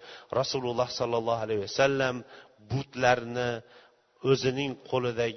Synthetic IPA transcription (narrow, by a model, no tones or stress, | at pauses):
ɾʔɑsulʊlˠːɑhsɒlˠːɑlˠːɑɦalajwasalːam | bʊt̪laɾnɪ | ɵzɪnɪŋqʰolˠɪd̪a